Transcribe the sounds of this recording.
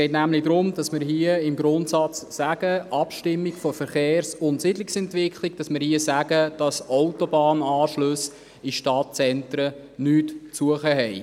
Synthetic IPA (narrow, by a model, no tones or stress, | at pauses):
sɡɛɪtnæmlɪdɾʊmdɑsmɪɾɦiəɪmɡɾʊntsɑt͡ssæɡ̥əʔɑpʃtɪmːiɡfɔfəɾχeːrsʊntsɪdlɪksɛntʋɪkʰliɡd̥ɑsmɪɾhiəsæɡ̥əd̥ɑsɔʊtobɑːnɑːʃlʊs | iʃtɑt̚t͡sɛntɾə | nyːtt͡suəχəɦɛɪ